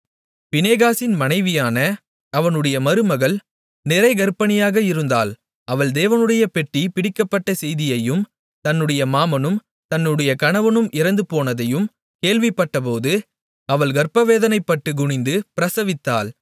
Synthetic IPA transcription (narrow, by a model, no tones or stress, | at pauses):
pɪneːɣaːsɪnmɐnɐɪʋɪjaːnɐ | ɐʋɐnɯɽɐjɐmɐɾɯmɐɣɐɭ | nɪɾɐɪɡɐɾpɐnɪjaːɣɐɪɾɯnd̪a̰ːl | ɐʋɐɭd̪eːʋɐnɯɽɐjɐpɛʈripɪɽɪkːɐpːɐʈːɐsɛjðɪjɐjɯm | t̪ɐnːɯɽɐjɐmaːmɐnɯm | t̪ɐnːɯɽɐjɐkɐɳɐʋɐnɯmɪɾɐnd̪ɯpoːnɐðɐjɯm | keːlʋɪpːɐʈːɐp̬oːðɯ | ɐʋɐɭɡɐɾpɐʋeːðɐnɐɪpːɐʈːɯɡʊɳɪnd̪ɯpɪɾɐsɐʋɪt̪ːaːl